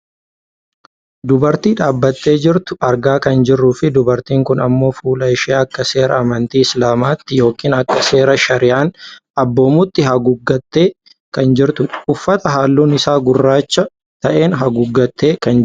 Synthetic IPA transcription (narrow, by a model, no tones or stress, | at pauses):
d̪ʊbɐɾt̪iːᶑaːbːɐt̪ːe̞ːd͡ʒɪɾt̪ʊɐɾɡaːkɐnd͡ʒɪrːuːfɪd̪ʊbɐɾt̪iːŋkʊnɐmːo̞ːfuːlɐɪʃeːɐkːɐse̞ːɾɐɐmɐnt̪iːɪslaːmaːt̪ːɪjo̞ːkːiːnɐkːɐse̞ːɾɐʃɐɾɪjaːnɐbːo̞ːmʊt̪ːɪɦɐɡʊɡːɐt̪ːe̞ː | kɐnd͡ʒɪɾt̪ʊʊfːɐt̪ɐɦaːlːuːnɪsaːɡʊrːaːt͡ʃːɐ | t̪ɐʔe̞ːnɦɐɡʊɡːɐt̪ːe̞ːkɐn